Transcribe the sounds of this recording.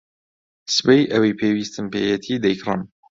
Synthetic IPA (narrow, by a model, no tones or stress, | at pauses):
sɨ̥pejʔɐwejpʰeːwiːst̪ɨmpeːjɛt̪ʰiːd̪ɐjkrɨ̰m